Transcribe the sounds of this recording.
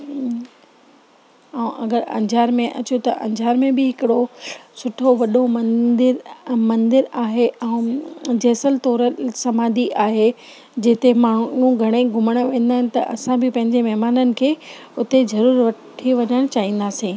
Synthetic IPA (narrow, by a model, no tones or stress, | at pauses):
ɛ̃ũʔɐɡəɾɐ̰̃ɲd͡ʑʱaːɾmẽʔɐt͡ɕut̪ɐʔɐ̰̃ɲd͡ʑʱaːɾmẽbɪɦɪkɪɽosʊʈʰoʋɐɗomɐ̃d̪ɪɾmɐ̃nd̪ɪɾaːɦeʔɛ̃ːd͡ʑeːsəlt̪ɔːɾəsɐmaːd̪iʔaːɦe | d͡ʑeːt̪emaːɽɳũɡʱɐɽ̃eɡʱʊməɽ̃ʋẽːnd̪aːɦɪnɪ̆t̪ɐʔɐsãbɪpɐ̃ɦɪ̃ɲd͡ʑemɐɦmaːnənɪ̆kʰeː | ʊt̪ezɐɾuːɾʋɐʈʰiʋɐɲəɽ̃t͡ɕaːɦĩːn̆d̪aːsĩː